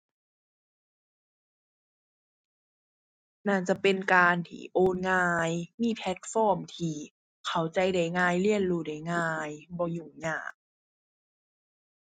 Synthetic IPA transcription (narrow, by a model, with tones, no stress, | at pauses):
naː˧˩t͡ɕa˧˩pe˧nkaː˧nt̪ʰḭː˧˩ʔoː˧nŋaː˧jmiː˧˥˨pʰɛ˦˥t̪̚fɔː˧˥˩mt̪ʰiː˧˩ | kʰa˧˩˦wt͡ɕa˧jda˨˩jŋaː˧jli˧˩˨ənluː˧˩da˨˩jŋaː˧jbɔː˧juː˧˩ŋɲaː˧˩k̚